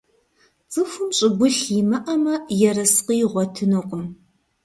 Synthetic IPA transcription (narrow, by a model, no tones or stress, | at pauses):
t͡sʼɨfɨmɕʼɪɡʷʊɬjimɐʔɐmɐjɛrɐsqiːʁʷɔtʰɨnoqʷʊm